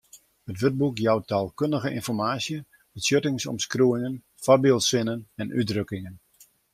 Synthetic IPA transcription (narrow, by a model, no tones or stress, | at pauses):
ətʋøt̚bukjɔwtaːlˠkøndəɣəʔɪ̰nfɔrmaːsjə | bətsjøtɪŋsɔ̰mskruɪŋən | fabɪlˠtsɪnənɛnʔydrøkɪŋən